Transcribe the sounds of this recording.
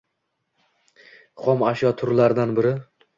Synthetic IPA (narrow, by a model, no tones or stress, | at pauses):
χɒmaʃjɒt̪ʰʊɾlaɾd̪anbɪɾɪ